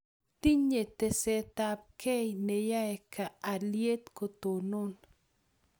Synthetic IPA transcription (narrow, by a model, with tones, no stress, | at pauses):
t̪i˦ɲe˨t̪e˨sɛ˨t̪a˨p̚kɛ˦jne˨ja˦ɛ˨kʰa˨a˨lje˦t̪ko˨t̪o˨no˦n